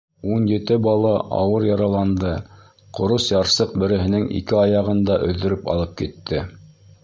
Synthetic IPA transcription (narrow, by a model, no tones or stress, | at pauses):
unjɘ̆t̪ɘbɑlˠɑʔɑ̰wɤɾjɑɾɑlˠɑnd̪ɤ | qŏɾɤsjɑɾsɤq̚bɘ̆ɾɘ̆ɦɘ̆nɘŋʔḭkɘɑjɑʁɤnd̪ɑʔɵ̰̆ðːɵ̆ɾɘpɑ̰lˠɤp̚kit̪ːɘ